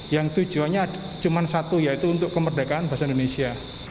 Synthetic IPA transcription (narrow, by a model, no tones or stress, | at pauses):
jaŋt̪u̥d͡ʒ̥uaɲaːd | t͡ʃumansat̪ujait̪uːnt̪ʊʔkəmərdakaanbaɦasaindonesia